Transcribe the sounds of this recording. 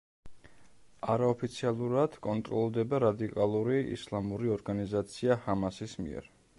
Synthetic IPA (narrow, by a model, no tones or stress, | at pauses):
aɾaɔpʰit̪sʰialˠuɾad̪̥kʼɔnt̪ʼɾɔlˠd̪ɛbaɾad̪ikʼalˠuɾiḭslˠamuɾiɔɾɡanizat̪sʰiahamasismḭɛ̰ɾ